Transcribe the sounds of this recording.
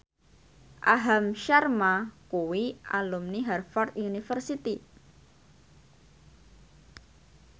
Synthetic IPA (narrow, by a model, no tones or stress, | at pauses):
ʔaɦamʃarmakuwia̰lumniɦɛrfɔrt̪junifərsit̪i